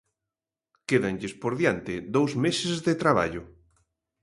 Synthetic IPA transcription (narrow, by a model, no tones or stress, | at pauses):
keðaŋʎɪspoɾðjant̪ɪd̪owzmesɪzðet̪ɾaβa̰ʎʊ